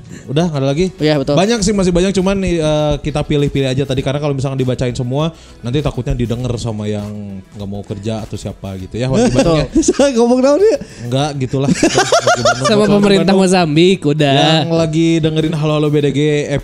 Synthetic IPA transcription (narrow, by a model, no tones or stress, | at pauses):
udahŋadalaɡijabət̪ʊbaɲaksɪhmas̬ɪhbaɲak̚t͡ʃumanəːkit̪apilɪhpilɪhad͡ʒat̪adikarnakalomisalkandibat͡ʃaɪnsəmua | nant̪it̪akʊt̪̚ɲadidəŋərsamajaŋŋɡaʔmaukərd͡ʒa̰ːt̪awsiapa̰ɡit̪ujawaibataskobɔŋdaʊnjaŋɡaʔɡit̪ulahɡiəsamapəməɾint̪ahmazambikudajaŋlaɡidəŋəɾɪnɦaloɦalobedeɡe